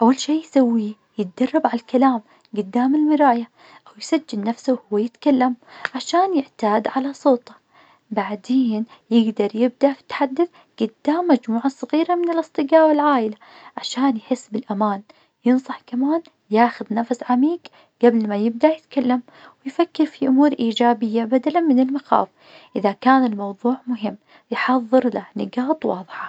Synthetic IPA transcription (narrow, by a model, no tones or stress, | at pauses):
ʔawːalʃiːjsawːiː | jɪt̪̚d̪ɑrˤːɑbʕalalkalaːm | ɡʊd̪ːaːmɪlmɪɾaːja | ʔawjsad͡ʒːɪlnafsuwhʊwːajɪt̪kalːamʕaʃaːnjɪʕt̪aːd̪ʕalasˤoːt̪ˤɑ̥ | baʕd̪eːnjɪɡd̪ɑɾˤjɪb̚d̪aʔfi̥t̪ħad̪ːɪθ | ɡ̥ʊd̪ːaːmːad͡ʒmuːʕasˤɑɣiːɾamɪnɪlʔɨsˤt̪ˤɨɡaːwɪlʕaːʔɪla | ʕaʃaːnjħɪsːbɪlʔamaːn | jɨnsˤɑħkamaːn | jaːxʊðnafsʕamiːɡ | ɡ̥ablmajɪb̚d̪ajɪt̪kalːam | wɪjfakːɪɾfiʔʊmuːɾʔiːd͡ʒaːbɪjːabad̪alanmɪnɪlmaxa̰ːf | ʔɪðakaːnɪlmɑwðˤuːʕmʊɦɪmː | jħɑðˤːɨɾlanɪɡɑːt̪ˤwɑ̰ːðˤɨħɑ̥